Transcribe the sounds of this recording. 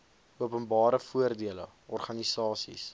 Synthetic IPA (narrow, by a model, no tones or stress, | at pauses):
uəpənbɑːɾəfuərdiələ | ɔrχɐnisɑːsḭs